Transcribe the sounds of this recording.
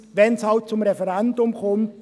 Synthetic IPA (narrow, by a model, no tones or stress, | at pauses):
vɛnshaʊt͡sʊmʁɛfɛʁɛndʊmkʰɔmt̚